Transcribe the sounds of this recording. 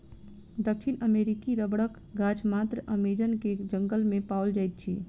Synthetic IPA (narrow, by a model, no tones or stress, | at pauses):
d̪əkʃʰinəmeɾikiɾəbɽək | ɡat͡ʃʰmat̪ɾəʔəmed͡ʒənked͡ʒəŋɡəlmẽpaəld͡ʒajt̪̚t͡ʃʰḭ